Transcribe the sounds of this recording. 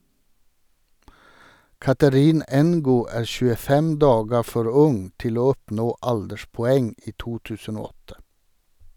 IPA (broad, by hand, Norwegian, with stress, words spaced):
ˈkɑtəɾɪn ɛnˈɡuː ˈæː ʃʉːəˈfɛm ˈdɑːɡə ˈfɔɾ ˈʊŋ ˈtɪl ˈoː ˈɔpnoː ˈɑldəʃpɔˌɛŋ ˈiː ˈtuː ˈtʉːsən ˈoː ˈɔtə